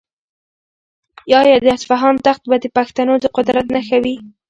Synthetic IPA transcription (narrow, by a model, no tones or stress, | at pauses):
jɑjɑd̪əasfaɦɑnt̪axt̪̚bad̪əpaxt̪anod̪əqʊd̪ɾat̪naxawi